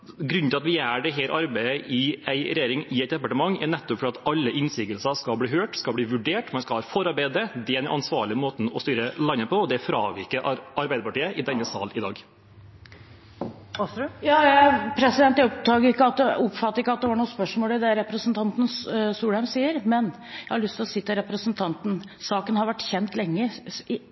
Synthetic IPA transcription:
ɡɾʉnt̪ʰɪlɑt̪ʋɪæɖɛɦɛːɾʔɑɾbæɪəʔɪæɪɾɛjeːɾɪŋɪɛɪt̪̚d̪ɛpɑʈəmɑŋːæɳɛt̪ːɔpfɔɾɑt̪ɑlːəʔɪnsɪːɡəlsɑskɑbliːɦøːʈskɑb̪iːʋʉɖeːʈmɑnskɑlhɑːfɔɾɑɾbæɪd̪ɾəd̪ɛænʔɑnsʋɑ̰ːɭɪəmoːt̪n̩ɔst̪yːɾəlɑnːəpʰɔɔd̪ɛfɾɑ̰ːʋɪkːəʔɑɾbæɪd̪əpɑʈiːəʔɪd̪ɛnːəsɑ̰ːlɪd̪ɑ̰ːɡ | jɑːjæpʰɾɛsɪd̪ɛnt̪jæʊpt̪ɑɡəɪkːəɑt̪̚d̪ɛʊpfɑt̪ːəɾɪkːəɑt̪̚d̪ɛʋɑɾɳuːspœʂmoːlɪd̪ɛɾɛpɾəsn̩t̪ʰɑnt̪n̩ssuːlæmsiːəɾmɛn | jæɪhɑɭʏst̪ʰɪlɔsɪt̪ːəɾɛpɾəsənt̪ʰɑnt̪n̩ | sɑːkənhɑɾʋæʈːçɛnt̪lɛŋːə

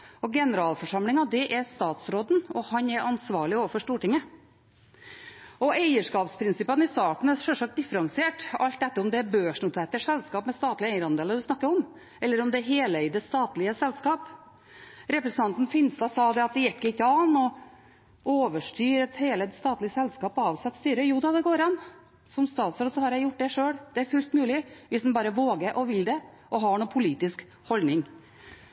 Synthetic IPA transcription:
ɔɡɛnəɾɑːlfɔʂɑmlɪŋɑd̪ɛʔɛɾst̪ɑːt̪sɾoːd̪nɔhɑnɛɾʔɑnsʋɑːɭɪoːʋəfɔʂʈuːʈɪŋːə | ɔæɪəʂkɑːpspʰɾɪnsɪpːənɪst̪ɑːt̪n̩ɛsɛlʂɑk̚t̪̚d̪ɪfəɾɑŋsɪeːʈɑlt̪ɛt̪ːəɾɔmd̪ɛːɾbøːʂɳʊt̪ʰɛːt̪ːəʂɛlskɑːpmɛst̪ɑːt̪lɪəæɪəɾɑnd̪eːləd̪ʉsnɑkːəɾɔm | ɛlːəɾɔmd̪ɛɦeːləɪd̪ɛst̪ɑːt̪lɪəsɛlːskɑːp | ɾɛpɾsən̩ɑnt̪n̩fɪnst̪ɑsɑːd̪ɛɑt̪̚d̪ɛjɛkːɪt̪ːəɑnːɔ | oːʋəʂʈyːɾət̪heːləst̪ɑːt̪lɪəsɛlːskɑːpɑːʋsɛt̪ːst̪yːɾəjuːd̪ɑd̪ɛɡoːɾɑn | sɔmst̪ɑːt̪sɾɔːd̪sɔhɑɾjæɪjʊʈ̚ːd̪ɛʂøːɽd̪̥ɛæɾfʉlt̪mʉːlɪʋɪsd̪ɛnbɑːɾəʋoːɡəɾʔɔʋɪld̪ɛ | ʔɔɦɑɳuːpʰʊliːt̪ɪsk | hɔld̪nɪŋ

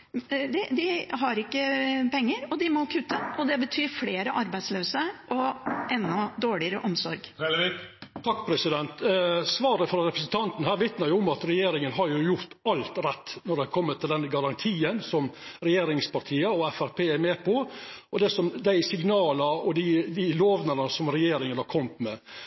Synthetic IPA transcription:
d̪ɪd̪ɪɦɑɾɪkːəpɛŋːəɾɔd̪ɪmɔkʰʉt̪ːəɔd̪ɛbət̪ʰyːɾfleːɾəʔɑɾbæɪsløːsəʔɔʔɛnːɔd̪oːɭɪəɾəʔɔmsɔɾɡ | t̪ʰɑkːpʰɾɛsɪd̪ɛnt̪sʋɑːɾəfɾɑɾɛpɾəsn̩t̪ʰɑnt̪ən̩hæːɾʋɪt̪nəɾjʊʊmɑt̪ɾɛjeːɾɪŋənɦɑɾjʊjʊɾt̪ɑlt̪ɾɛt̪ːnɔɖ̪ɛɑkʰɔmːət̪ʰːɪld̪ɛnɡɑɾɑnt̪ʰiːənsɔmɾɛjeːɾɪŋspɑɾt̪ʰiːəɔɛfæɾpʰeːæɾmeːpʰɔʔɔd̪ɛsɔmd̪æɪsɪɡnɑːləɾɔd̪ɪd̪ɪloːʋnəɾnəsɔmɾɛjeːɾɪŋənhɑɾkʰɔmt̪mɛ

